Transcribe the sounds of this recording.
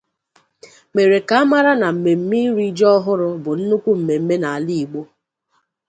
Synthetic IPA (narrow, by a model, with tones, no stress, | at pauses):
me˨ɾe˨ka˨a˦ma˦ɾa˦na˨m̩˨me˨m̩˦mi˦ɾi˦d͡ʒɔ˦ɔ˦ɦʊ˦ɾʊ˦bʊ˨n̩˦nu˦kʷu˦m̩˨me˨m̩˦me˦na˨a˨li˦˨i˨ɡ͡bo˦